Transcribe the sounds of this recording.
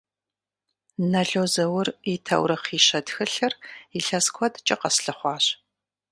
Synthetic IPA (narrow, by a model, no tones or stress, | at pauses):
nɐɮoːzɐwʊritʰɐ̰wɾɐqiːʃɐdxɨɬɨriɬɐskʷʰɔdt͡ʃʼɐqɐsɬɨχʷɑːɕ